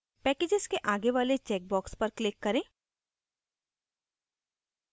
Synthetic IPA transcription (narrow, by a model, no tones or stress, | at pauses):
pɛːkeːd͡ʒɪzkeʔaːɡeʋaːlet͡ʃɛːk̚bɔːkspɐɾklɪkːɐɾẽː